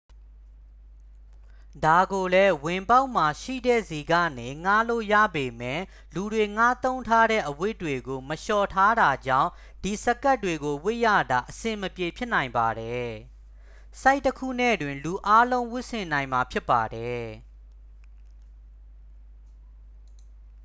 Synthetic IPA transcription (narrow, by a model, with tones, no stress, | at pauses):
da˨ɡo˨lɛ˦wɪ̃˨mpa˦ʊʔm̥a˨ʃḭ˦˨dɛ̰˦˨zi˨ɡa̰˦˨ne˨ŋa˦˨lo̰˦˨ja̰˦˨be˨mɛ̃˦˨ | lu˨dwe˨ŋa˦t̪õ˦ʊ̃ntʰa˦ɾɛ̰˦˨ʔəwɪ˦˨tːwe˨ɡo˨məʃɔ˨tʰa˦ɾa˨d͡ʑã̰˦˨ʊ̃ | d̥i˨sə˦ka˦tːwe˨ɡo˨wɪ˦ʔja̰˦˨d̪a˨ʔəsɪ̃˨məpje˨pʰjɪ˦ʔnã˨ɪ̃mba˨ɾɛ˨ | sa˦ɪʔtːəkʰṵ˦˨nɛ̰˦˨dwɪ̃˨nlu˨ʔa˦lõ˦ʊ̃wʊ˦ʔsɪ̃˨nã˨ɪ̃ma˨pʰjɪ˦pːa˨dɛ˨˦